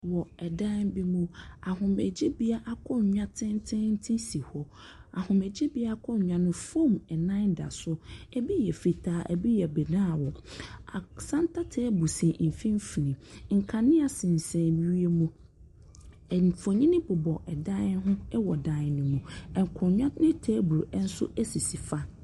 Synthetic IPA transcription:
wɔ˨ɛ˨dã˦bi˦mũ˦a˨ɦʊ̃˨mɛ˨d͡ʑi˦bi˦a˦ʔa˦kʰɔ˦˨ɲᶣã˦tʰɪ̃˦n˦tʰɪ̃˦n̩˦tʰɪ̃˦si˨hɔ˦ | a˨hʊ̃˨mɛ˨d͡ʑi˦bi˦a˦a˦kʰɔ˦˨ɲᶣã˨nʊ̃˨fõ˦˨mɛ˨nã˦nda̰˨sʊ˦ɛ˦bi˦jɛ˨fi˨tʰaː˨˦ʔɛ̰˨bi˦jɛ˨bɛ˨nã˦˨wɔ˨a˨sã˦n˦tʰa˦tʰɛ˦bu˨sɛ̃˨m̩˨fĩ˦m˦fi˨nĩ˨ŋ̩˨kʰa˨nɪ̃˦a˨sɪ̃˨n̩˨sɛ̃˨bi˨ɥi˦e˦mũ˦˨ | fo˨ɲĩ˦nɪ̃˦bʊ˨bɔ˨ʔɛ˨dã˦ɦʊ̃˦ɛ˦wɔ˨dã˨nʊ̃˨mũ˨ɛ˨ŋ˨kʰʊ̃˨ɲᶣã˦nɪ̃˦tʰeː˦bɾu˨ʔɛ˦n̩˦sʊ̰˦æ˦si˨si˨fa˦

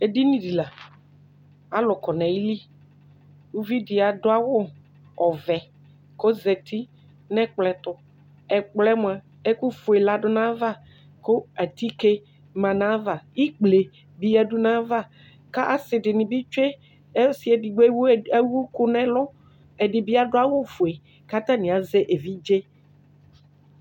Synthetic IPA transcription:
e˨di˦nĩ˨di˨la˨ | a˨lʊ˨kɔ˨nɛ̃˨ji˦li˦ | wu˦vi˦dɪ˨a˨dʊ˦a˦wʊ˦ | ɔ˨vɛ˨ | kɔ˦zɛ˨t̪ʰi˦ | nɛ̃˦k͡plɛ˨t̪ʊ˨ | ɛ˨k͡plɛ˦mʊ̃˦˨a˨ | ɛ˦ku˦fʊ˨ɛ˨la˨dʊ˦nã˦va˦ | kʊ˦a˨t̪i˦ke˦ | mã˨nã˦va˨i˦k͡ple˨ | bi˦a˨ɖu˦nã˦va˦ | ka˦ʔa˨sɪ˨ɖɪ˨nɪ̃˨bi˦t͡ʃe˦ | si˦ɛ˨di˨ɡ͡be˦wu˦e˦wu˦ku˦nɛ̃˦lɔ˦ | ɛ˨ɖɪ˨bi˦a˨ɖʊ˦a˦wʊ˦fo˨e˨ | ka˦t̪ã˦nĩ˨a˨zɛ˦ʔe˨vi˦d͡ʒe˦

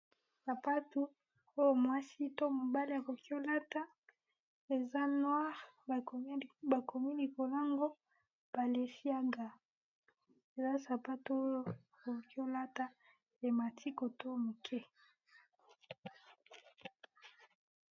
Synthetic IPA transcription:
sa˨pa˦tu˦ | o˦jo˨mwa˦si˦to˦mo˨ba˦li˦a˨ko˨ki˦o˦la˦ta˦ | e˨za˦nwa˦ʁ | ba˨kʰo˨mi˦li˨ko˨la˦ŋɡo˦ | b̥a˨le˨si˦a˦ŋɡa˨ | e˨za˦sa˨pa˦tu˨˦o˦jo˦a˨ko˨ki˦o˦la˦ta˨ | e˨ma˨tʰi˦ko˨to˦˨mo˨kʰɛ˦

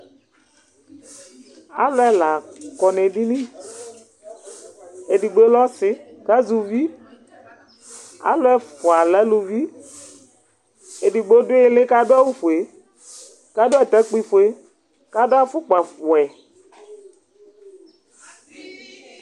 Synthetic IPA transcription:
a̰˦lʊ˦ɛ˦la˨kɔ˨ne˨di˦nĩ˦ | e˨di˨ɡ͡be˦lɔ˦sɪ˦ | ka˦zu˨vi˦ | a̰˦lʊ˦ɛ˦fʊ˨a˨lɛ˨˦lu˨vi˦ | e˨di˨ɡ͡bo˦dʊ˦ɪ˦lɪ˦ka˦dʊ˦a˦wu˦fo˨e˨ | ka˦dʊ˦ɛ˦˨t̪ɛ˦k͡pi˦fʊ˨e˦ | ka˦do˦a˦fʊ˦k͡pa˨fʊ˨ɛ˨

